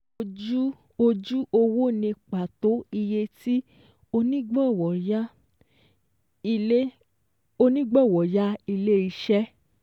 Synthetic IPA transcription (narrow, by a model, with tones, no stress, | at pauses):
o˧d͡ʒu˦ | o˧d͡ʒu˦ʔo˧wo˦nĩ˧k͡pa˨to˨˦i˧je˧ti˦ | o˧nĩ˦ɡ͡bɔ˦˨wɔ˨ja˦ | i˧e˦ | o˧nĩ˦ɡ͡bɔ˦˨wɔ˨ja˦i˧le˦i˧˦ʃɛ˦